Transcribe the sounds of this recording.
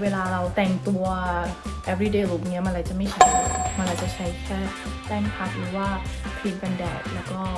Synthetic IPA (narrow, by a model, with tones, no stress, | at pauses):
weː˧laː˧ɾa˧wt̪ɛ˨˩ŋt̪u˧ɐʔɛ˦˥pʰɾiː˦˥˩deː˧ɾuː˦˩bŋːi˦˥ɐma˧nɾa˧˩jt͡ɕa˨˩ma˥˩jt͡ɕʰa˦˥jma˧nɾa˧jt͡ɕa˨˩t͡ɕʰa˦˥jt̪ʰɛː˥˩ | t̪ɛː˥˩ŋkʰa˦˥k̚ɾɯː˨˦waː˥˩pʰi˦˥t̪̚ka˧ndɛ̰ː˨˩k̚lɛː˦˥wkɔː˥˩